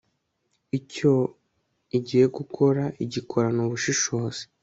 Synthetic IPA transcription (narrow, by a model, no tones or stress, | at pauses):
ico̞ | iɟije̞ɡukʰo̞ɾaʔiɟikʰo̞ɾanuβuʃiʃoːz̥e̥